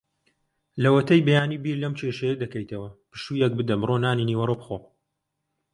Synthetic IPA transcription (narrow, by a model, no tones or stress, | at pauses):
lɐwɐt̪ʰɐjbejaːnibiːɾlɐmt͡ʃʰeʃɛjɐd̪ɐkɐjt̪ʰɐwɐpɨ̥ʃujɛk̚bɨd̪ɐmɨronaːniniwɐɾoːbɨxoː